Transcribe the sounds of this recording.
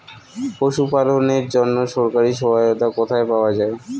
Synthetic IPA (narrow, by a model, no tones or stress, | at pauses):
poʃupaloneɾd͡ʑonːoʃɔɾkaɾiʃɔbʱaot̪akɔt̪ʰaepaoad͡ʑae